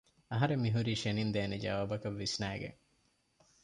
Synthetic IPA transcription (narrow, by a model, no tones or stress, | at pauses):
ɐɦɐɾemːiɦuɾiːʃenind̪eːned͡ʒɐ̰ʋaːbɐkɐʋːisnæːɡḛŋ